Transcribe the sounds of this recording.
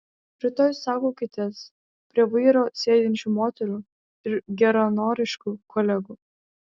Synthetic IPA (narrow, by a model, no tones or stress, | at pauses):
pʲɾʲɪt̪oːjsɑːkoːkʲɪt̪ʲiɛs | pʲɾʲiɛʋɐɪɾoːsʲeːd̪ʲɪnʲt͡ʃʲuːmoːt̪ʲɛɾuː | ɪɾɡʲɛɾɔnoːɾʲɪʃkuːkɔlʲɛɡuː